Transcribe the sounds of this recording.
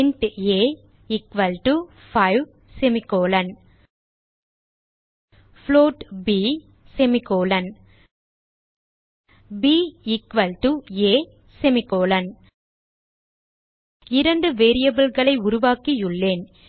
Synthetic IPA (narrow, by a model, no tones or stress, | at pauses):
nʈeː | ɪkʋɐlʈu | fɐɪʋ | sɛmɪkːoːlɐn | floːʈbiː | sɛmɪkoːlɐn | biːɪkʋɐlʈueː | sɛmɪkoːlɐn | ɪɾɐnɖɯʋeːɾɪjɐbɐlɣɐɭɐɪʊɾʊʋaːkijɯɭːeːn